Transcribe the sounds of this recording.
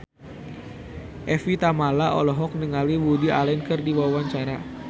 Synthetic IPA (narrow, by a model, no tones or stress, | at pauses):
ʔɛfit̪amalaʔɔ̰lɔɦɔk̚nəŋaliwudiʔa̰lɛnkɨrdiwawaɲt͡ʃaɾa